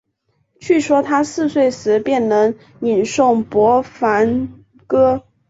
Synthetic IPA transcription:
t͡ɕʰy˥˩ʂwɔ˥t̪ʰa˥sɹ̩˥˧swe˥˩ɪsɹ̩˧˥pjɛ˥˩nnɤ˧˥ŋ | ni˨˩nʂʊ˥˩ŋpwɔ˧˥fa˧˥n | kɤ˥

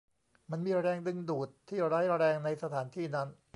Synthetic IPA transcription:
ma˧nmiː˧ɾɛː˧ŋdɯ˧ŋduː˨˩t̪ʰːiː˥˩ɾaː˦˥jɾɛː˧ŋna˧jsa˧t̪ʰaː˩˦nt̪ʰiː˥˩na˦˥n

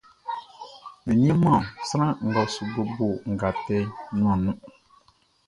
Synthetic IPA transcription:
mi˨nĩ˦e˦mã˦˨sa˦ɾã˦ŋ̩˨ɡa˨su˨bo˦bo˦˨ŋ̩˨ɡa˨tɛ˦nũ˦ã˨nũ˦

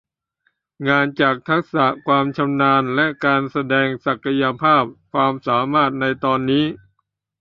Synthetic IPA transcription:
ŋaː˧nt͡ɕaː˨˩k̚t̪ʰa˦˥k̚sa˨˩˦kʰwaː˧mt͡ɕʰa˧mnaː˧nlɛ˦˥ʔkaː˧nsa˧dɛː˧ŋsa˨˩kːa˧ja˧pʰaː˥˩p̚kʰwaː˧msaː˩˦maː˥˩t̪̚na˧jt̪ɔː˧nːiː˦˥

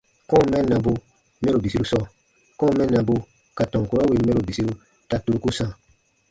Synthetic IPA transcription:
kɔ̃˦˨mɛ̃˦nã˧bo˧ | me˦ɾo˨bi˨si˦ɾu˦sɔ˦˨ | kɔ̃˦mɛ̃˦nã˨bo˧ | ka˨tɔ̃˨ŋ˨ko˦ɾɔ˦we˦me˦ɾo˨bi˨si˦ɾu˦ | ta˦tu˦u˦ku˦sã˦˨

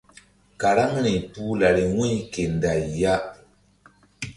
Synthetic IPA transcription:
ka˨ɾa˦ŋɾi˨pu˦la˨ɾi˨wu˦ɲ˦ke˨n˨da˨ja˦

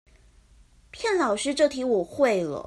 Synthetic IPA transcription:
pʰjɛ˥˩nlɑ˨˩ʊʂɻ̩˥ʈ͡ʂɤ˥˧t̪ʰi˧˥wɔ˨˩xwe˥˩ɪlə̰˨˩

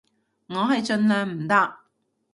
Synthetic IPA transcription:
ŋɔː˨˧ɦɐ˨jt͡ʃɵ˧nlœː˨ŋm̩˨˩t̪aː˧k̚

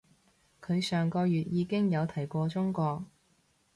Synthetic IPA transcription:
kʰɵ˨˧ɥsœː˨˩ŋkɔː˧jyː˨t̚jiː˨˧kɪ˥ŋjɐ˨˧wt̪ʰɐ˨˩jkʷɔː˧t͡sʊ˥ŋkʷɔː˧k̚

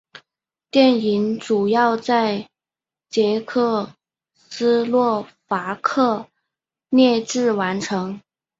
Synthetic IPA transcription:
t̪jɛ˥˩ni˧˥nʈ͡ʂu˨˩jɑ˥˧ʊt͡sa˥˩ɪ | t͡ɕjɛ˧˥kʰɤ˥˩ | sɹ̩˥lwɔ˥˩fa˧˥kʰɤ˥˩ | njɛ˥˧ʈ͡ʂɻ̩˥˩wa˧˥nʈ͡ʂʰɤ˧˥ŋ

